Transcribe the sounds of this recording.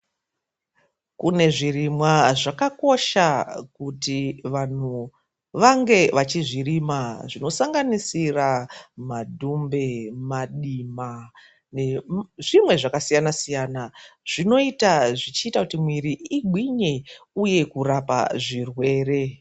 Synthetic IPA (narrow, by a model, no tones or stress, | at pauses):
kune̞ʐirimwaʐakako̞ʃakutiʋan̤u | ʋaŋɡe̞ʋat͡ʃiʐirimaʐino̞saŋɡanisiramadʱumbe̞maɗima | neʐimwe̞ʐakasijanasijaːnaʐ̥ino̞itaʐit͡ʃiːtakutimwiɾiiɡʱwiɲe̞uje̞kurapa̰ʐirwe̞ːre̞